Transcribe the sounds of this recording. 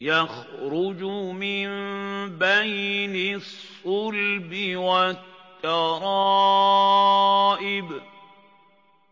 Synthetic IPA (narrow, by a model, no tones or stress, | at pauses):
jaxɾʊd͡ʒmɪnbajnɪsˤːʊlbɪwat̪ːɑɾˤɑ | ʔɪb